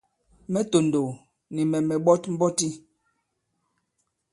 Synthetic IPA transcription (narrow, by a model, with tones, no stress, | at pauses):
mɛ˦to˨ndo˨ | ni˨mɛ˨mɛ˨ɓɔ˦tm̩˦bɔ˦ti˦